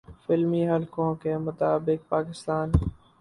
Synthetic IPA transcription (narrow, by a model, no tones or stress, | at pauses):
fɪlmiːɦəlkõːkemʊt̪aːbɪk̚paːkɪst̪aːn